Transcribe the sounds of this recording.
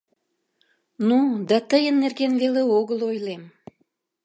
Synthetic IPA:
nud̪ɑt̪əjənːerɣenveleoɣəlojlem

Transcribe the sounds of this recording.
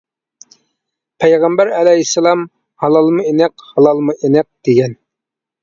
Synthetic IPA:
pʰɛjʁæmbæɾɛlɛɦisːɑlˠɑm | hɑlˠɑlˠmuenɛqhɑlˠɑlˠmuʔenɛk̚d̪̥eɡʲɛn

